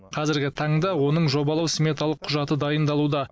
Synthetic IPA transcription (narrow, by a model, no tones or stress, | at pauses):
qʰɑzɪɾɡʲɪt̪ʰɑɴd̪ɑwo̞nəɴʒo̞bɑlˠɑwsmʲe̞t̪alˠəqʰːʊʒɑt̪əd̪ɑjənd̪ɑlˠud̪ɑ